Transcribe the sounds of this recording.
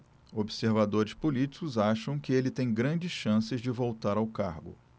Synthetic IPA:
obɪseɾvad̪oɾɪspolit͡ʃi̥kʊzaʃɐ̃w̃kɪelɪt̪ẽj̃ɡɾɐ̃nd͡ʒɪsʃɐ̃sɪzd͡ʒɪvowt̪aɾawkaɾɡʊ̰

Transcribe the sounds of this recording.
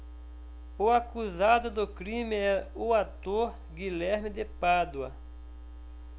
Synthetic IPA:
ʊakuzad̪ʊd̪ʊkɾĩmɪɛʊat̪oɾ | ɡilɛɾmɪd̪epad̪wɐ

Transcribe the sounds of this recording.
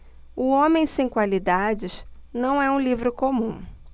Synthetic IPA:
ʊõmẽj̃sẽj̃kwalid̪ad͡ʒɪʃnɐ̃w̃ɛũlivɾʊkõmũ

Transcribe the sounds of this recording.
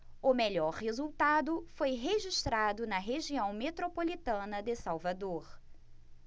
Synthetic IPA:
ʊmeʎɔɾhezuwt̪ad̪ʊfojɦeʒiʃt̪ɾad̪ʊnɐɦeʒiɐ̃w̃met̪ɾopolit̪ɐ̃nɐd̪ɪsawvad̪oɾ

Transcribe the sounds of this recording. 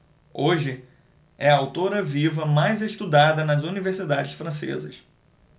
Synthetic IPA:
oʒɪ | ɛɐawt̪oɾɐvivɐmajzeʃt̪ud̪ad̪ɐnɐzunivesid̪ad͡ʒɪsfɾɐ̃sḛzɐ̰s

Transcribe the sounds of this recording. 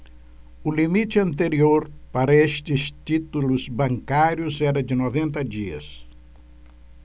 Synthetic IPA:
ʊlimit͡ʃ̪ɪɐ̃nt̪eɾioɾpaɾɐest̪ɪst̪it̪ulʊzbɐ̃ŋkaɾjʊzɛɾɐd͡ʒɪnovẽnt̪ɐd͡ʒiɐ̰s

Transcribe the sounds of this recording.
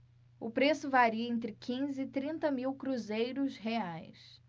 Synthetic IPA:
ʊpɾesʊvaɾiɐẽnt̪̬ɾɪkʰĩzɪːt̪ɾĩnt̪ɐmiwkɾuzejɾʊsɦeajs

